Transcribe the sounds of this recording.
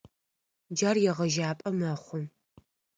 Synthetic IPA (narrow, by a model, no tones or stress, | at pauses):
d͡ʒarjɛʁɐʒaːpʼɐmɐχʷʊm